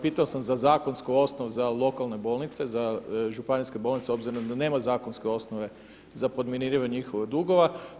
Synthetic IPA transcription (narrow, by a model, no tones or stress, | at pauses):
piːt̪aosamzazaːko̞nskoo̞snoʋezalˠo̞kalˠne̞bo̞ːlnit̪se̞zaʒupaniske̞bolnit̪seo̞bziɾomd̪ane̞ːmazaːkonskeo̞snoʋe̞ | zapo̞d̪meniɾiʋaɲixoʋed̪uɡo̞ʋa